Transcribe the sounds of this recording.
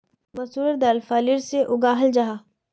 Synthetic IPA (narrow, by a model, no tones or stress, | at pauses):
mɐsuːɾeɾd̪aːlfaːliɾseʔʊɡaːɦəld͡ʒaɦaː